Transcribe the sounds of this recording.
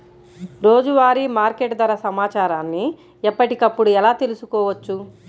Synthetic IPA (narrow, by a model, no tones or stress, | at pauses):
ɾo̞ːd͡ʒuʋaːɾimaːɾkeʈd̪ɐɾɐsɐmaːt͡ʃaːɾaːnːi | ɛpːɐʈikɐpːuɽuɛlaːt̪e̞lusukɔːʋɐt͡ʃːu